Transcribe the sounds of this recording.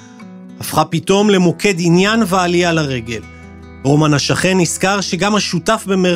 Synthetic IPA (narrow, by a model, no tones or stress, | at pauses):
hafχapit̪o̞mle̞mo̞ke̞d̪injanveaːlijalaʁe̞ɡe̞l | ʁomanhaʃaχe̞nːiskaʁʃeɡamhaʃutafbe̞me